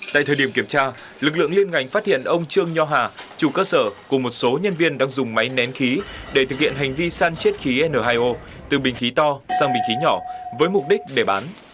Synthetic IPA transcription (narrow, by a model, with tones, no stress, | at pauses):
t̪a̰ː˧˨jt̪ʰəː˨˩ɗi˧˩əŋki˧˩əmt͡ɕaː˧ | lɨ˨˩k̚lɨ̰˧˨əŋli˧ənŋa˨˧˩jŋ̟fa˦˥t̚hḭ˧˨ənʔə˧wŋ͡mt͡ɕɨ˧əŋɲɔ˧ɦaː˨˩t͡ɕu˧˩kəː˧səː˧˩ku˧˩əmo˨˩t̚so˨˦ɲə˧nvi˧ənɗaː˧ŋzʊ˨˩ŋ͡mma˨˦jnɛ˨˦nxi˨˦ɗe˧˩t̪ʰɨ˨˩k̚hḭ˧˨ənɦa˨˩jŋ̟vi˧saː˧nt͡ɕe˦˥t̚xi˨˦ʔɛ˧nəː˧˩ɦaː˧jʔo˧ | t̪ɨ˨˩ɓï˨˩ŋ̟xi˨˦t̪ɔ˧saː˧ŋɓï˨˩ŋ̟xi˨˦ɲɔ˧˩vəː˨˦jmʊ˨˩k͡p̚ɗï˦˥k̟̚ɗe˧˩ɓaː˨˦n